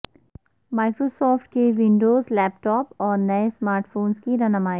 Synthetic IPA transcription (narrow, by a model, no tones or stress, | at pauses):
maːɪkɾosɔːfʈkeʋɪ̃ɳɖoːzlɛːpʈɔːpɔːɾnɐesmaːɾʈfoːnskiɾɐnɐmaːi